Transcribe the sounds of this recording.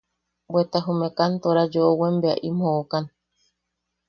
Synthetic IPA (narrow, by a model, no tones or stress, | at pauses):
bwet̪aɦumekant̪oɾad͡ʒoʔowembea̰ʔimhoʔokan